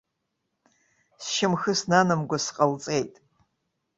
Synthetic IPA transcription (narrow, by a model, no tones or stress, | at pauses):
sʃɪmxɨsnanɨmɡʷasqʼalt͡sʼejtʼ